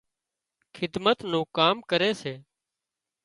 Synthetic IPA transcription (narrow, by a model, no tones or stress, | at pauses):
kʰɪd̪mət̪nũːkaːmkəɾeːseː